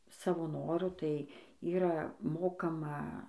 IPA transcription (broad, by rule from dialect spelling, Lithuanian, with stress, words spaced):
ˈsɑːʋoː ˈnoːrʊ ˈtɐɪ ˈiːrɐ ˈmoːkɐmɐ